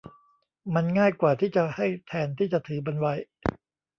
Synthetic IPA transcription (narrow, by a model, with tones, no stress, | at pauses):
ma˧nŋaː˥˩jkwaː˨˩t̪ʰiː˥˩t͡ɕa˨˩ha˥˩jt̪ʰɛː˧nt̪ʰiː˥˩t͡ɕa˨˩ʔt̪ʰɯː˩˦ba˧nwa˧j